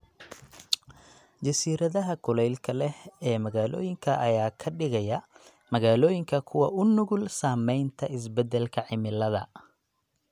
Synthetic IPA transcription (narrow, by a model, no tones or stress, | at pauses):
d͡ʒɐsiːɾɐðɐɦɐkʰʊlɛjlkʰɐlɛhɛːmɐɣaːlɔ̰ːjɪŋkʰɐʔɐjaːkʰɐɖɪɣɐjɐ | mɐɣaːlɔːjɪŋkʰɐkʰʊwɐʔʊnʊɣʊlsaːmɛjnt̪ʰɐɪs̬bɛd̪ɛlkʰɐʕɪmɪlɐðɐ̰